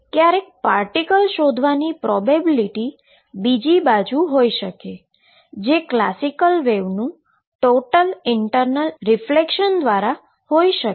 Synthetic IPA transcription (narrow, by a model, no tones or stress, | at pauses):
kjaɾek̚paɾʈikəlʃod̪ʱʋanipɾɔbebiliʈi | bid͡ʒibad͡ʒuɦojʃəke | d͡ʒekla̰sikəlʋeʋnũ | ʈoʈəlɪɳʈəɾnəlɾɪflekʃənd̪ʋaɾa | hoiʃə